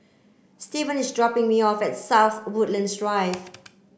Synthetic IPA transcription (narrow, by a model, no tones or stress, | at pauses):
stivə̃nisdɹɔpɪ̃ŋmiɔfɛtsawθwʊtlə̃nsɹaɪf